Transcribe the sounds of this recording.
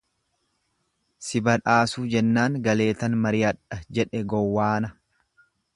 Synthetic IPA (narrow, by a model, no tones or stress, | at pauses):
sɪbɐᶑaːsuːd͡ʒɛnːaːŋɡɐle̞ːt̪ɐnmɐɾɪɐᶑɐd͡ʒɛᶑɛɡɔwːaːnɐ